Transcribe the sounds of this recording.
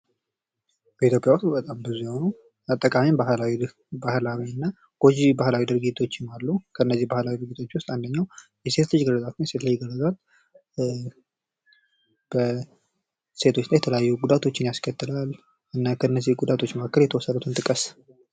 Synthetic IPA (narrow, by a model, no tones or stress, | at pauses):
b̥əit̪ʰjo̞pʼjawst̪ubət̪ʼambɨzuhonu | at̪ʼːəkʼamimbahlawi | bahlawiɨnːa | ɡ̥od͡ʒibahlawid̪ɨɾɡit̪ʰo̞t͡ʃːɪmalːukʰəɨnːəzːihbahlawid̪ɨɾɡit̪ʰo̞t͡ʃːwʊst̪ʼand̪əɲːawjɛse̞t̪lɨd͡ʒɡəlːəzʼat̪nse̞t̪lajːɛɡəlːəzal | b̥ə | se̞t̪ʰo̞t͡ʃːlajɛt̪ʰələjajːuɡud̪at̪ʰo̞t͡ʃːɪnjaskʰət̪ːɨlal | ʔɨnːakʰəɨnːəzihɡud̪at̪ʰo̞t͡ʃːməkʰakːəljɛt̪ʰəwɔsːəd̪ut̪ʰɨnt̪ʼɨkʼəs